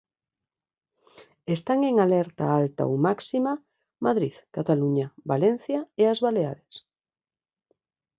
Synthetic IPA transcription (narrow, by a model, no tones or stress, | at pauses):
est̪aŋeŋalɛɾt̪a̰alt̪a̰o̰wmaksima | maðɾiðkat̪aluɲabalen̟θjaeazβalea̰ɾes